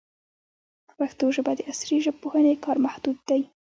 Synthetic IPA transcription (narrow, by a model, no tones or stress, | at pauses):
paxt̪oʒəbad̪əasɾiʒəb̚pohanekɑɾmahd̪̥ud̪̚d̪aj